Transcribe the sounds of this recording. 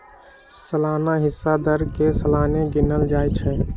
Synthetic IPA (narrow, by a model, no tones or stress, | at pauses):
səlaːnaɦɪsːad̪əɾkesəlaneɡinəld͡ʒaːjt͡ʃʰɛ